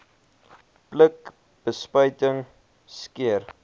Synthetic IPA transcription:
plək | b̥əspəjtəŋ | skiər

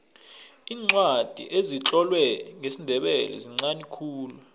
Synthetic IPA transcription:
iːŋ͡ǀwad̥ʱḭʔezit͡ɬʼɔlwɛŋesindʱɛɓɛlɛ̰ziŋ͡ǀanikʰuːlu

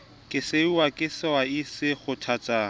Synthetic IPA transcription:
kʼɪseuwakʼɪsɪwaisɪχʊtʰat͡sʼa

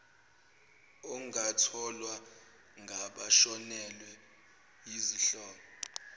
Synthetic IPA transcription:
ɔŋatʰɔlwa | ŋʱaɓaʃɔnɛlwɛ | jiziɬɔːlɔ

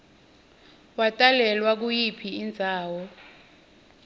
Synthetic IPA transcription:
watʼalɛlwak̬ujipʰiːnd͡zʱaːwɔ

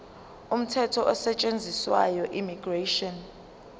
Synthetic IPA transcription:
um̩tʰɛtʰɔʔɔsɛt͡ʃʼend͡zʱiswajɔʔimiɡ̥reʃɔn

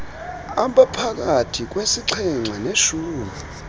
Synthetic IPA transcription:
aɓapʰak̬atʰik̬wesiǀʰɛŋ͡ǀʱaneʃuːmi

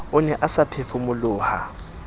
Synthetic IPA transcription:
ʊnɛʔasapʰefʊmʊlʊːha̰

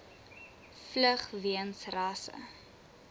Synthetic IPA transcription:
fləχviənsrɑːsə̰

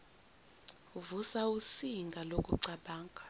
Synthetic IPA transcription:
uvusausiŋɡʱalokʼuǀaɓaːŋkʼḁ

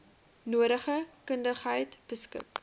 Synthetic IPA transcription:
nuəɾəχəkəndəχɦəjtb̥əskə̰k

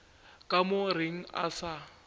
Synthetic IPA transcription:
kʼamʊrɪŋ̩a̰sa

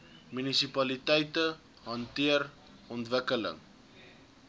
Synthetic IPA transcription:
mynisipɐlitɛjtə | ɦɐntiər | ɔntvəkələ̰ŋ

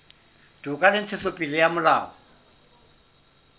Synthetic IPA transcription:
d̥ʱukʼalɪnt͡sʰesopʼilɪjamʊlaːɔ

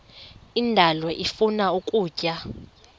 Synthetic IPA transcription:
indʱalwɛʔifunaukʼuːcʼa

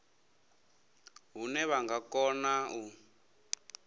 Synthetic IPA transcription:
ɦunɛβaŋɡakɔnau

